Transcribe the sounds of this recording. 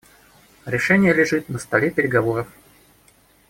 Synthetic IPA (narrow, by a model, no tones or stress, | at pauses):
ɾʲɪʂɛnʲɪjəlʲɪʐɨt̪nəst̪ɐlʲepʲɪɾʲɪɡɐvoɾəf